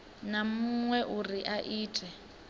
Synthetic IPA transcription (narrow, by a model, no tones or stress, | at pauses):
namuŋwɛʔuriʔaʔiːtʰʼɛ